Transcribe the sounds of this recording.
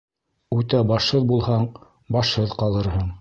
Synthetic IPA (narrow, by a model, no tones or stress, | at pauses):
ʉt̪æbɑʃhɤðbulˠhɑɴ | bɑʃhɤðqɑlˠɤ̆ɾhɤɴ